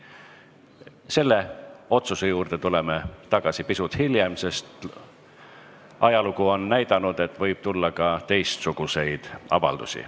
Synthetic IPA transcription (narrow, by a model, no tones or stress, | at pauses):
se̞lːe̞o̞t̪susejuːrd̪̥e̞t̪ule̞met̪ɑɡ̥ɑsipisut̪hiljemse̞st̪ | ʔɑjɑlukuo̞nːæjd̪ɑnud̪̥e̞t̪ːˑvɤjb̥̚t̪ulːɑkɑt̪e̞jst̪suɡ̥use̞jd̪̥ɑ̰vɑ̰ld̪̥ṵsḭ